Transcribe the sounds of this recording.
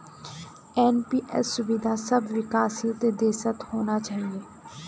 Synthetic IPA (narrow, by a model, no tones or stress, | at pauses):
ɛːnpiːʔɛ̰sːʊʋɪd̪ʱaːsəbʋɪkaːsiːt̪eːd̪eːsət̪hoːnaːt͡ʃaːɦieː